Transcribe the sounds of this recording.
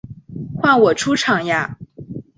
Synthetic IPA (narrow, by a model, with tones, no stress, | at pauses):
xwa˥˩nwɔ˨˩ʈ͡ʂʰu˥ʈ͡ʂʰɑ˨˩ŋja˥